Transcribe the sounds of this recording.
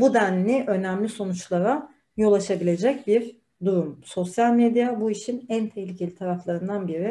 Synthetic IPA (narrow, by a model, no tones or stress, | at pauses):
bud̪ænːiʔø̞næmlʲiso̞nut͡ʃlˠaɾa | jo̞lˠaʃabilʲe̞d͡ʒɛc̚biɾ | d̪uɾumso̞sjalʲmed̪jabuiʃinænt̪ʰehlʲicʰe̞lʲit̪ʰaɾaflˠaɾɯnd̪anbiɾi